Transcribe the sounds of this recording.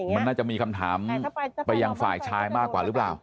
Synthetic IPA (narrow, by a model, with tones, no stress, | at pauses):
ma˧nːaː˥˩t͡ɕa˨˩miː˧kʰa˧mt̪ʰaː˩˦mpa˧jːa˧ŋfaː˨˩jt͡ɕʰaː˧jmaː˥˩kːwaː˨˩ɾɯː˦˥plaː˨˩w